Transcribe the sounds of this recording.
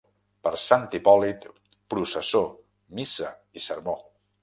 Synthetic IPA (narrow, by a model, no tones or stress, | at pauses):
pəɾsant̪ipɔlit̪ | pɾusəso | misəisəɾmo